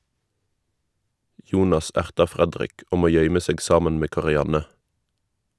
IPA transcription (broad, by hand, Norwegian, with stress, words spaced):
ˈjuːnɑs ˈæʁtɑ ˈfʁɛdʁɪk ˈuːm ˈoː ˈjœʏmə ˈseːɡ ˈsɑːmɛn ˈmeː kɑʁɪˈjɑnɛ